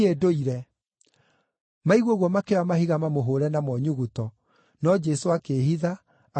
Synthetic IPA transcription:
edoiɾɛ | maiɣwoɣwɔmakewamaɦiɣamamoɦoɾɛnamɔɲuɣutɔ | nɔd͡ʒɛsoakeɦiða

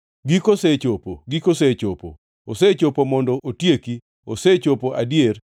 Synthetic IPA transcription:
ɡikoset͡ʃopoɡikoset͡ʃopo̰ː | set͡ʃopomɔndɔʔotjeki | oset͡ʃopoʔadjer

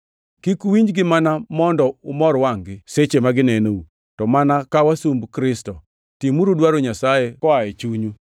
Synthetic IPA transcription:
kikuwiɲd͡ʒɡɪmanamɔndɔʊmɔɾwaŋɡɪset͡ʃemaɡɪnɛnou | tɔmanakawasumbkɾɪstɔ | timuɾodwaɾoɲasajekɔaet͡ʃuɲu

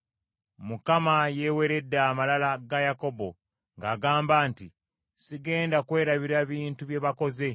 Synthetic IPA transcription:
mukamaje̞ːwe̞ɾe̞dːaːmalalaɡajako̞bo̞ | ŋɡaːɡaːmbaːnti | siɡe̞ːndakwe̞ːɾaβiɾaβiːntuβje̞βako̞ze̞

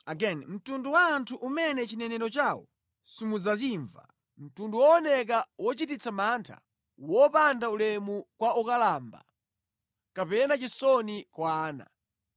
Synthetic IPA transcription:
aɡɛnm̩tunduwaːntʰuʔumɛnɛt͡ʃinɛnɛɾɔt͡ʃaːwɔ̰ | simud͡zat͡ʃiːɱva̰ | m̩tunduwɔɔnɛk̬awɔt͡ʃitit͡samantʰa̰ | wɔpandaulɛmukwaukalaːmba̰ | kapɛnat͡ʃisɔnikwaːna̰

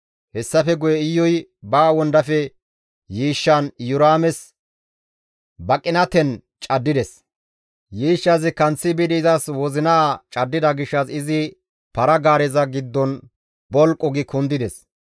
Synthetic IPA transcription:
hɛsːɐfɛɡʊjɛɪjːɔjbaːwɔnd̪ɐfɛ | jiːʃːɐnjʊɾaːmɛs | bɐkʼːɪnɐt̪ɛn | t͡ʃʼɐd̪ːɪd̪ɛs | jiːʃːɐsɪkɐnt͡sːɪbɪd̪ɪzɐswɔzɪnaːt͡ʃʼɐd̪ːɪd̪ɐɡɪʃːɐsɪzɪ | pɐɾɐɡaːɾɛzɐɡɪd̪ːɔn | bɔlkʼːɔɡɪkʊnd̪ɪd̪ɛs

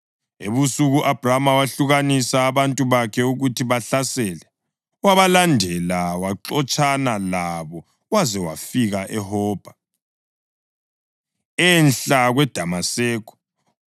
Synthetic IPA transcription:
ḛβusuɣuʔab̥ʱramawaɬuɣanisaːβantʼuβakʰɛuɣutʰiβaɬasɛlɛ | waβalandʱɛlawaǁɔt͡ʃʼʰanalaβɔ | wazɛwa̰fiɣaʔɛhɔːb̥ʱa | ɛnɬaɣwɛd̥ʱamasɛːkɔ̥

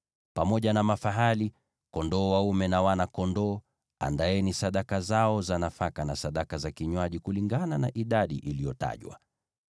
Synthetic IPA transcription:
pamɔʄanamafaɦali | kɔndɔːwaumɛnawanakɔndɔː | a̰ndajɛnisaɗakazaɔzanafakanasaɗakazakiɲwaʄikuliŋɡananaʔiɗaɗḭʔilijɔta̰ʄwa̰

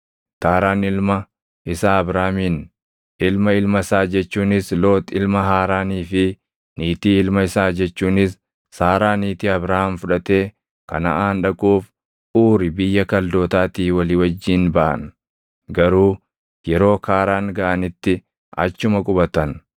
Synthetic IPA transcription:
t̪aːɾaːnɪlmɐ | ɪsaːɐbɾaːmiːn | ɪlmɐɪlmɐɪsaːd͡ʒɛt͡ʃːuːnɪslo̞ːt̪ɪlmɐɦaːɾaːniːfɪ | niːt̪iːɪlmɐɪsaːd͡ʒɛt͡ʃːuːnɪsː | aːɾaːniːt̪iːɐbɾaːhɐmfʊᶑɐt̪e̞ː | kɐ̰nɐ̰ʔaːnᶑɐkʼuːf | uːɾɪbɪjːɐkɐld̪o̞ːt̪aːt̪iːwɐliːwɐd͡ʒːiːnbɐʔɐ̰n | ɡɐɾuː | jɛɾo̞ːkʰaːɾaːŋɡɐʔɐnɪt̪ːɪ | ɐ̰t͡ʃːʊmɐkʼʊbɐt̪ɐn

